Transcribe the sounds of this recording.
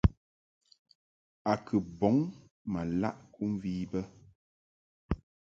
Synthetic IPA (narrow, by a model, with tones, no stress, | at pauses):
a˨kʰɨ˨bɔ˨˦ŋ | ma˨la̰˦ʔkʰu˦m˦viː˦bə˦